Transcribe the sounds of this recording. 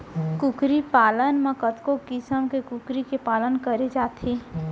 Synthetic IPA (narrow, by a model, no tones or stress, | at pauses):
kukɾipaːlənmekət̪kokɪsəmkekukɾikepaːlənkəɾed͡ʒaːt̪ʰe